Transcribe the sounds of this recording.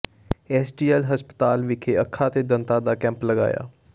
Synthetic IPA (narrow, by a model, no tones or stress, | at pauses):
ɛːsʈiːɛlɦəspə̥t̪aːlʋɪkʰeːəkʰːaːt̪eːd̪ənt̪aːd̪aːkɛ̃ːmpləɡa̰ːja̰ː